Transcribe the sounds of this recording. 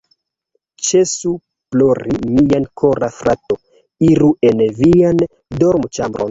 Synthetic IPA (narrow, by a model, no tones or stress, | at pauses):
t͡ʃesu | ploɾimiankʰoɾafɾato | iɾuenvian | doɾmut͡ʃambɾo̰n